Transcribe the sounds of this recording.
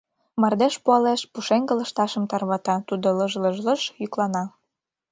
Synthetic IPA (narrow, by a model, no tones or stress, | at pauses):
mɑrd̪eʃpuɑleʃpuʃeŋɡə̆lə̆ʃt̪ɑʃə̆mt̪ɑrβɑt̪ɑt̪ud̪oləʒləʒlə̆ʃjyklɑnɑ